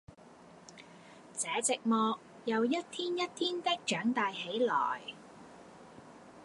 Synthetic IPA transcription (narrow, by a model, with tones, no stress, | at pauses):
t͡sɛː˨˥t͡sɪ˨k̚mɔː˨˧k̚ | jɐ˨˧wjɐ˥t̚t̪ʰiː˥njɐ˥t̚t̪ʰiː˥nt̪ɪ˥k̚t͡ʃœː˨˥ŋt̪aː˨jɦe˨˥jlɔ̰ː˨˩j